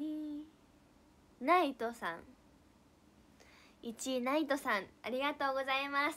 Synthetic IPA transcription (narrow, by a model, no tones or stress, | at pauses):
i | nait̪osã̰ŋ | it͡ɕinait̪o̞sãŋ̃aɾʲiɡat̪o̞ːɡo̞zaimas